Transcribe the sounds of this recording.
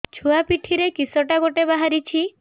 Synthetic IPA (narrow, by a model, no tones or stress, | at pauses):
t͡ʃʰuapiʈʰiɾekisɔʈaɡoʈebaɦaɾit͡ʃʰi